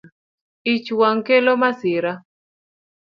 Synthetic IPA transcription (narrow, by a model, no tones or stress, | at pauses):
it͡ʃwaŋkelomasɪɾa